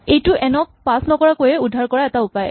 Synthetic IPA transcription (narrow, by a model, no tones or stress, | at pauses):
ejtʊʔɛnɔk̚pasnɔkɔɹakojɛudʱːaɹkɔɹaɛtaupajɛ̰